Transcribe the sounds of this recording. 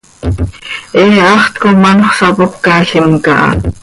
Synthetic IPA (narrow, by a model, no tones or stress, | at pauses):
ʔeɑχt̪komɑnoχsɑpopkaːɬɪmkɑʔɑ̰